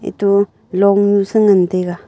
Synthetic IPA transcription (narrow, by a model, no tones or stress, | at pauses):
ḭt̪u | loŋɲusəŋənt̪eɡa